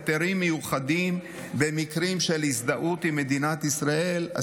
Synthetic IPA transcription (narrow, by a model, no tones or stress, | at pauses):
t̪eɾimːejuχad̪im | bemikʁimʃelisd̪aʔut̪imːe̞d̪inat̪isʁae̞la̰